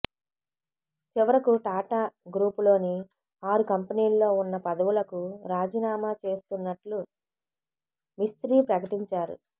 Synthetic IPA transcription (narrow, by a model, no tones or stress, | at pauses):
t͡ʃiʋɐɾɐkuʈaːʈaːɡɾuːpulo̞ːni | aːɾukɐmpɐniːllo̞ːunːɐpɐd̪ɐwulɐkuɾaːd͡ʒiːnaːmaːt͡ʃe̞ːst̪unːɐʈlu | mist̪ɾiːpɾɐkɐʈiɲt͡ʃaːɾṵ